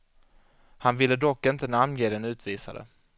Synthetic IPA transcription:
hanvɪlːəd̪ɔkːɪnt̪ənamnjeːd̪ɛnʉ̟ːt̪viːsa̰d̪ə̰

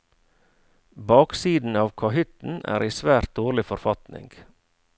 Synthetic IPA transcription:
bɑːksiːd̪n̩ɑːʋkʰɑhʏt̪n̩æ̰ːɾiːsʋæːɾt̪̚d̪oːɾlɪfɔɾfɑt̪nɪ̰ŋɡ̥

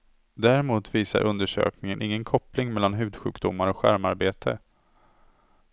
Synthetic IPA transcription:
d̪æɾɪmuːt̪viːsa̰ɾʔɵnd̪əʂø̰ːknɪŋənʔɪŋːənkʰɔplɪŋmɛlːanɦʉ̟ːd̪ɧʉ̟ːkd̪ʊmːaɾɔkɧæ̰ɾmaɾbeːt̪ʰə̰

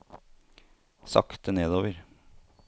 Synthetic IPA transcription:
sɑ̰kt̪əneːd̪oːʋəɾ

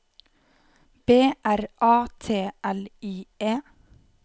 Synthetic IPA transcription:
b̥eːʔæɾʔɑːt̪ʰeːʔɛliːeː

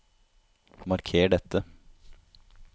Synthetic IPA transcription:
mɑɾkʰeːɖɛt̪ːə

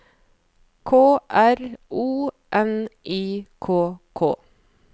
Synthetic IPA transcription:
kʰoːʔæɾʔuː | ʔɛnʔiːkʰoːkʰo̰ː

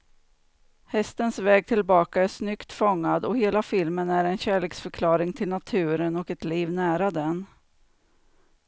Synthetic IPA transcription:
hɛst̪ənsvɛːɡ̚t̪ʰɪlbɑːkaæʂnʏkt̪fɔŋːad̪ɔheːlafɪlmənæɾɛnɕæːɭeːksfœɾkʰlɑːɾɪŋt̪ʰɪlnat̪ʰʉ̟ːɾənɔkɛt̪liːvnæːɾad̪ɛn

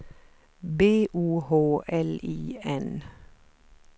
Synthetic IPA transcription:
beːʔuːhoːʔɛliːɛn

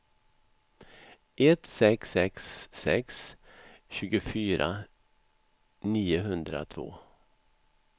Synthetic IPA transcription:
ʔɛt̪sɛksɛksːɛ̰ks | ɕʉ̟ːɡʊfyːɾʔa̰ | niːʊɦɵnd̪ɾa̰t̪ʰvo̰ː

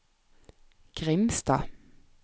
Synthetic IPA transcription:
ɡ̥ʁɪmst̪ɑ̰ː

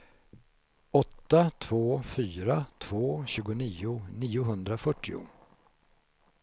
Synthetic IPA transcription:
ɔt̪ːat̪ʰvoːfyːɾat̪ʰv̥oːɕʉ̟ːɡʊniːʊniːʊɦɵnd̪ɾafœʈːɪʊ̰

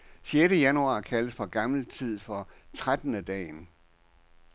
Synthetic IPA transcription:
ɕjeɾəjænuɑ̰̈ːkʰæləsfɒ̽ɡ̥ɑ̈ml̩t͡sʰið̞̰ˠfɒ̽t͡sʰʁad̥ən̩əd̥ɛ̰ːn

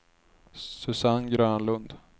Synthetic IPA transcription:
sɵsanɡɾœːnlɵnd̪

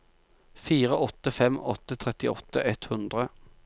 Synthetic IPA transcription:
fiːʁəʔɔt̪əfɛmɔ̰t̪ət̪ʰʁɛt̪ɪɔ̰t̪əʔɛt̪hʉnd̪ʁə

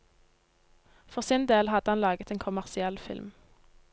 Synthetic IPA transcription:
fɔʁsɪːnd̪eːlhɑd̪əhɑnlɑːɡət̪ʰeːnkʰʊmæʁsɪɛlfɪ̰lm

